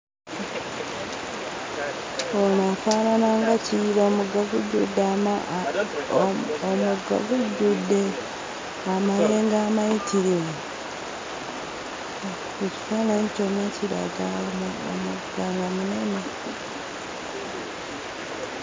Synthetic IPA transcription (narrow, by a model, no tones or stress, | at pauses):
onafaːnanaŋɡaciɾomuɡaɡuɟːudːam | omuɡa̰ɡuɟːudːe | amale̞ːŋɡaːmaitiɾiwe | eci̥faːnaɲconaciɾa̰ɡao̰u | ɡaŋɡamune̞ne